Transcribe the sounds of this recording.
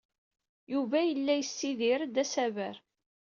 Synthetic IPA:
juvæjəlːæjəsːiðɪɾd̪æsævəɾ

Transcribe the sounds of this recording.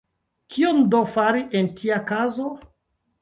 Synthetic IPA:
kʰiondofaɾiʔentʰiakazo

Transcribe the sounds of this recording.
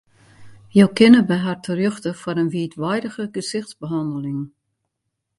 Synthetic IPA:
jowkɪnəbɛɦartʰərjøxtəfɔɾənʋiətʋɛjdəɣəɡəsɪxtsbəɦɑndəlɪŋ

